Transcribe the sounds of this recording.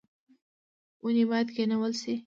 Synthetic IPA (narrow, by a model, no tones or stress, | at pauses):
unibɑjat̪kenawəlsi